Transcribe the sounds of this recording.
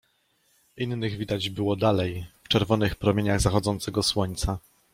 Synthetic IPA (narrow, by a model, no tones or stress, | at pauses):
ʔinːɘɣvʲid̪ad͡ʑbɘwɔd̪alɛjft͡ʂɛɾvɔnɘxpɾɔmʲjeɲaɣzaxɔd̪zɔnt̪sɛɡɔswɔɲt̪sa